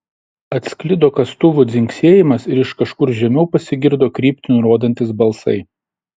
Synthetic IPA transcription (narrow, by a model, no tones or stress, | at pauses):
ɐt̪ʲsʲkʲlʲɪd̪oːkɐst̪ʊʋʊd̪zʲɪŋʲksʲiɛjɪmɐsɪɾɪʃkɐʃkʊɾʒʲɛmʲɛʊpɐsʲɪɡʲɪɾd̪oːkɾʲiːpʲt̪ʲɪnʲʊɾuɔd̪ɐnʲt̪ʲɪsbɐlˠsɐ̰ɪ